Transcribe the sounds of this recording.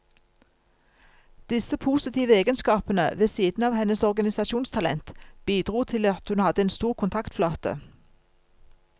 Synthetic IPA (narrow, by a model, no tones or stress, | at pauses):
d̪̥ɪsəpʰuːsɪt̪ʰiːʋəeːɡənskɑːpənə̰ʋeːsiːd̪n̩ɑːʋhɛnəsɔʁɡɑnɪsɑʃuːnst̪ʰɑlɛ̰nt̪b̥iːd̪ʁuːt̪ʰɪlɑt̪hʉnhɑd̪əeːnst̪uːʁkʰʊnt̪ʰɑkt̪flɑːt̪ə̰